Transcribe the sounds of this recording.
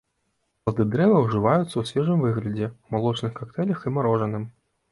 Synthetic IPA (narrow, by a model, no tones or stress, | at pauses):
pɐlˠd̪ɨd̪ɾɛvɐwʐɨvajut̪sːɐwsʲvʲɛʐɨmvɨɣlʲɐd͡zʲɛwmalˠɔt͡ʂnɨxkakt̪ɛlʲɐximaɾɔʐɐnɨm